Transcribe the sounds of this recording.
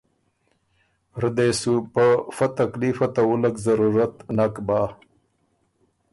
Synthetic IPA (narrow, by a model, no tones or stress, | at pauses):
ɾd̪esupəfat̪aklifat̪awulakzaɾuɾat̪nakbaː